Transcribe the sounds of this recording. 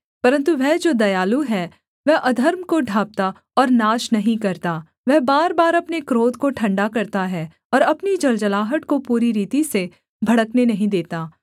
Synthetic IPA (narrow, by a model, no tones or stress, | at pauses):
pɐɾə̃nt̪uʋɛɦd͡ʒoːd̪ɐjaːluɦɛː | ʋɛʔɐd̪ʱəɾmkoɖʱaːp̚t̪a | ɔːɾnaːʃnɐɦĩkɐɾt̪aː | ʋɛːbaːɾbaːɾɐpnekɾoːd̪ʱkoʈʰɐ̃ɳɖakɐɾt̪aɦɛ | ɔːɾɐpnid͡ʒɐld͡ʒɐlaːɦəʈkopuːɾiɾiːt̪ise | bʱɐɽəknenɐɦĩd̪eːt̪aː